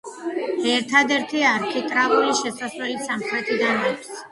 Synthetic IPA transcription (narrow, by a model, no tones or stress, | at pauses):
ɛɾt̪ʰad̪ɛɾt̪ʰiaɾkʰik̪ʼɾavuɾiʃɛsasɾɛlisamχɾɛt̪ʰʼid̪anakʰs